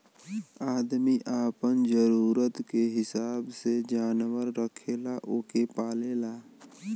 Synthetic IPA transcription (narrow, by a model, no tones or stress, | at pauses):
aːd̪miʔaːpənd͡ʒəɾuːɾət̪keɦɪsaːbsed͡ʒaːnwəɾːəkʰelaʔoːkepaːlelaː